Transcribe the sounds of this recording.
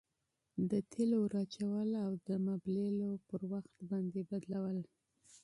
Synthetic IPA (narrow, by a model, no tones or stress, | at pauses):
d̪ət̪ʰeloɾɑt͡ʃawəlawd̪əmablelopəɾwaxt̪bɑnd̪ebad̪lawəl